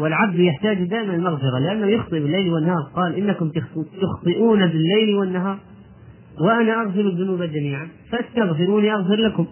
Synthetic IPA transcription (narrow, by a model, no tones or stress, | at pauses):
wɪlʕab̚d̪jɪħt̪aːd͡ʒd̪aːʔɪmanɪlmaɣfɪɾalɪʔanːahujʊxt̪ˤɨʔbɪlːajlwɪnːɑːɾˤqɑːlʔɪnːakʊmt̪ʊxt̪ˤɨʔuːnabɪlːajlwɪnːaɦɑːɾˤ | wɪʔanaʔaɣfɪɾaðːʊnuːbad͡ʒamiːʕafaʔast̪aɣfɪɾuːniʔaɣfɪɾlakʊm